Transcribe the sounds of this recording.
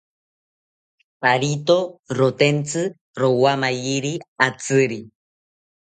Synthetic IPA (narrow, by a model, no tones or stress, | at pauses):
paɾit̪oɾot̪ent͡sɨ | ɾowamajiɾiat͡sɨɾi